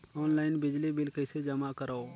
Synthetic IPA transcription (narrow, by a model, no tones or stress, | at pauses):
ɔːnlaːɪnbɪd͡ʒlibɪlkəised͡ʒəmakəɾaoː